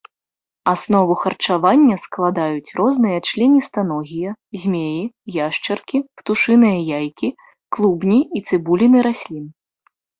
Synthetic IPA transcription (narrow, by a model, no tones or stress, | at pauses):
asnɔvuxɐrt͡ʂavanʲːɐsklˠad̪ajut͡sʲrʔɔznɨjɐt͡ʂlʲɛnʲist̪anɔɣʲijɐzʲmʲejijaʂt͡ʂɐrkʲipt̪uʂɨnɨjɐjajkʲi | klˠubnʲiit̪sɨbulʲinɨɾasʲlʲin